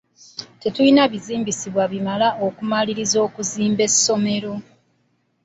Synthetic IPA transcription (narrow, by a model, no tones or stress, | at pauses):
te̞tuinaβiziːmbisiβwaβimalaʔokumaliɾizo̞ːkuziːmbe̞sːo̞me̞ɾo̞